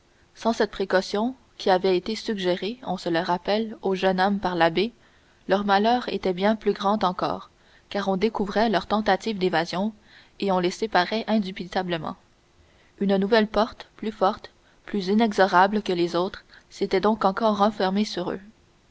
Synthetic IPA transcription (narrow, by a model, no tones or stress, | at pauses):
sɑ̃sɛt̪̚pχekɔsjɔ̃ | kʲʰiavɛet̪esyɡʒeʁeɔ̃sələʁapɛloʒœnɔmpaʁlabe | lœʁmalœːʁet̪ɛbjɛ̃plyɡʁɑ̃d̪ɑ̃kɔ̰ːʁ | kaːʁɔ̃d̪ekuvʁɛlœʁt̪ɑ̃t̪at̪ivd̪evazjɔ̃ | eɔ̃lesepaʁɛʔɛ̃d̪ypit̪abləmɑ̰̃ | ynnuvɛlpɔʁt̪plyfɔʁt̪ | plyzinɛɡzɔʁablkəlezot̪χset̪ɛd̪ɔ̃kɑ̃kɔʁːɑ̃fɛʁmesyʁø̰